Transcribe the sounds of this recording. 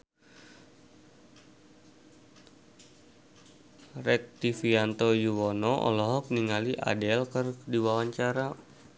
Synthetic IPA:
rɛk̚t̪ifiant̪ojuwɔnɔʔɔ̰lɔɦɔk̚niŋaliʔa̰dɛlkɨrdiwawaɲt͡ʃaɾa

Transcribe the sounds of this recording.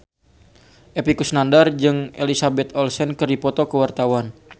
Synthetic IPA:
ʔepikusnandard͡ʒɨŋʔelisabɛt̪ɔlsɛnkɨrdipɔt̪okəwart̪awan

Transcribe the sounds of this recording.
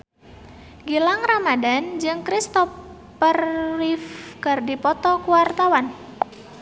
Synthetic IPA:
ɡilaŋramadand͡ʒɨŋkɾist̪ɔ | pərːifkɨrdipɔt̪ɔkuwart̪awan

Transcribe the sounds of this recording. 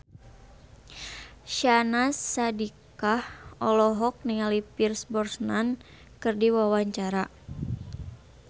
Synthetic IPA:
ʃanasːadikahʔɔlɔɦɔk̚niŋalipirsbɔrsnan | kɨrdiwawaɲt͡ʃaɾa

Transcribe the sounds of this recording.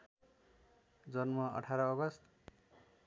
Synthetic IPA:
d͡zʌnmʌʌ̰ʈʰaɾɔːɡʌst̪

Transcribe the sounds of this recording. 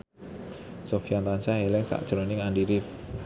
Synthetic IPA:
sofiant̪ansaɦelɛŋsa̰ʔd̥ʒ̥ɾonɪŋandiɾɪf

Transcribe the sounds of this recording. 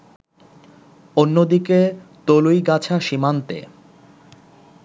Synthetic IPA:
onːod̪iket̪olujɡat͡ɕʰaʃimant̪ḛ

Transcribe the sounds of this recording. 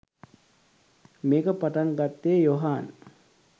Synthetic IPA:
meːkəpaʈaŋɡat̪ːeːjoɦaːn

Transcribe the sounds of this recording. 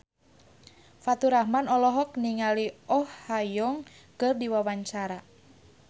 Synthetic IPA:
fat̪uɾahmanɔlɔɦɔk̚niŋaliɔhːajɔŋ | kərdiwawaɲt͡ʃaɾa

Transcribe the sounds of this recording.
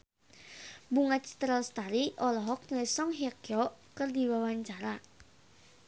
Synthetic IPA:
buŋat̪̚t͡ʃi̥t̪ɾəlst̪aɾiʔɔlɔɦɔk̚ɲlɛsɔŋɦiakjɔkərdiwawaɲt͡ʃaɾa

